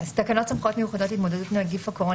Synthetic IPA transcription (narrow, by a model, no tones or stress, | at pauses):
st̪akanot̪samχot̪mejuχad̪ot̪it̪mod̪ad̪ut̪mneɡifakoʁo